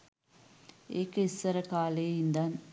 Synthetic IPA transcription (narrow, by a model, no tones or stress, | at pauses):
eːkːɐisʋɐɾɐkaːleːind̪aːn